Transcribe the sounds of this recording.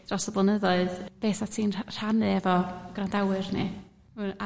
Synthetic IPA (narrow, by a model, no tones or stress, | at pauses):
d̥rɔsɔblˠanəðɔɨðb̥eːθatʰiːnr̥anɨɛvɔɡ̥randawɨrnḭ | una